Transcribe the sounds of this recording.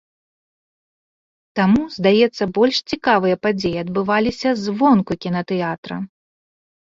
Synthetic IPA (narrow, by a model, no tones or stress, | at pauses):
t̪amuzd̪ajɛt̪sːɐbɔlʲʂt͡sʲikavɨjɐpad͡zʲejiɐd̪̚bɨvalʲisʲɐzvɔnkukʲinɐt̪ɛat̪ɾɐ̰